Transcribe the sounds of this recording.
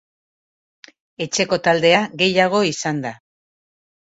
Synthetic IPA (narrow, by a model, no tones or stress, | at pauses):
e̞t͡ʃe̞ko̞t̪ald̪e̞aɣe̞jaɣ̞o̞isand̪a